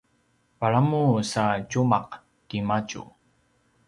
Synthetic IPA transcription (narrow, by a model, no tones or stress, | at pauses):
paɭamusacumaq | kimat͡ʃṵ